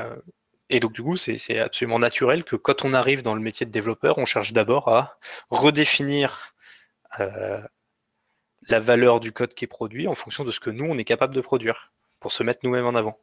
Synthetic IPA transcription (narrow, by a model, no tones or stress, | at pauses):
ø | ed̪ɔ̃k̚d̪ykusɛsɛ̰a̰psɔlymɑ̃nat̪ʰyʁɛlkʰəkɑ̃t̪ʰɔ̃naʁivd̪ɑ̃ləmet̪jed̪əd̪evlɔpœʁɔ̃ʃɛʁʃd̪abɔʁaʁəd̪efiniʁ | ø | lavalœʁd̪ykɔd̪kʲiɛpχɔd̪ɥiɑ̃fɔ̃ksjɔ̃d̪əsə̥kənuɔ̃nɛkapabləd̪əpχɔd̪ɥiːʁ | puʁsəmɛt̪χnumɛmɑ̃navɑ̃